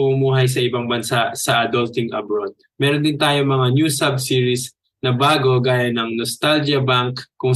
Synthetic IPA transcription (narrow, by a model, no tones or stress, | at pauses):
ʊmuːɦɐjs̬ɐʔɪbaŋbɐnsaʔsɐʔɐd̪olt̪ɪŋʔɐbɾod̪̚ | mɛːɾond̪ɪnt̪aːjoŋmɐŋanjuːsabsiːɹis | nɐbaːɡo̞ɡaːjɐnɐŋnost̪ald͡ʒɐbaŋkːkːʊŋ